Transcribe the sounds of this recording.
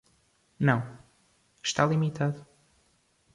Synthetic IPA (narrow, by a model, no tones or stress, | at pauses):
nɐ̃w̃ | ʃt̪alˠimit̪aðu